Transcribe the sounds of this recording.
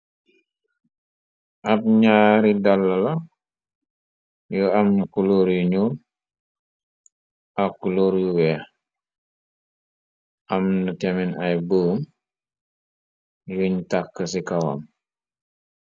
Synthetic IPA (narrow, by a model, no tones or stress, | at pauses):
ʔɐp̚ɲaːɾidalːɐlɐ | juamnkuloɾjuɲuːn | akːuloːɾjuwɛː | ʔɐmnətɛminɐjboːm | juɲtakːəsikɐwa̰m